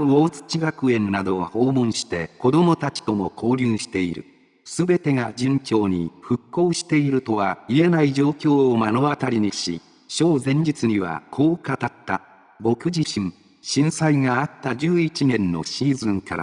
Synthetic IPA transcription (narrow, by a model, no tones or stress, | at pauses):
oːt͡sɨ̥t͡ɕiɡakɯ̟ẽ̞nnad̪o̞ɡaho̞ːmõɰ̃ɕi̥t̪e̞ko̞d̪o̞mo̞t̪at͡ɕi̥t̪o̞mo̞kʰo̞ːɾʲɨːɕi̥t̪e̞iɾɯ̟̰ | sɨbe̞t̪e̞ɡad͡ʑɨ̃ŋkʲo̞ːɲ̟ḭɸɯ̟kːo̞ːɕi̥t̪e̞iɾɯ̟t̪o̞βaie̞naid͡ʑo̞ːkʲo̞ːomano̞βat̪aɾʲiɲ̟iɕḭ | ɕo̞ːzẽ̞ɲ̟d͡ʑit͡sɨɲ̟iβa̰kʰo̞ːkat̪at̪ːa | bo̞kɯ̟d͡ʑiɕĩŋ | ɕĩɰ̃saiŋaːt̪ːad͡ʑɨːit͡ɕinẽ̞nːo̞̰ɕiːzɨ̃ŋkaɾa̰